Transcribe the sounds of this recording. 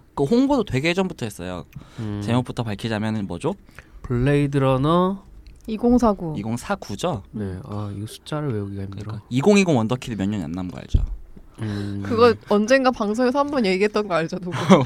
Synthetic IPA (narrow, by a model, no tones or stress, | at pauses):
kɯhoŋbodotwe̞ɡeed͡ʑʌnbutʰʌɦe̞s͈ʌjo̰t͡ɕe̞mop͈utʰʌpaɭkʰid͡ʑamjʌnɯnmʌ̰d͡ʑo | pɯɭːeidɯɾʌnʌiɡoŋsʰaɡuiɡoŋsʰakud͡ʑone̞ajusʰu̥t͡ɕ͈aɾɯɭwejoɡiɡahimdɯɾaiɡoŋiɡoŋʌndʌkʰidemjʌɲːʌɲia̰nːanɡʌa̰ɭd͡ʑo̰ | kɯɡʌʌnd͡ʑe̞ŋɡapaŋs̬ʰoŋesʰambʌnje̞ɡiɦet͈̚ʌnɡʌaɭd͡ʑʌdo